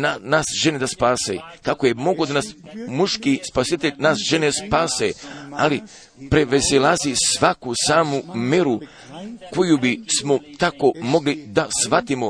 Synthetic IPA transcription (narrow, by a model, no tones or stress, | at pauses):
nanasʒened̪aspaːsḛkakoje̞mo̞ɡod̪anasmuʃkispasit̪eʎʲnaːsʒe̞nespaːsea̰li | pɾeʋeselazisʋakusaːmumeɾu | ko̞jubismo̞t̪ako̞mo̞ɡlid̪asʋat̪imo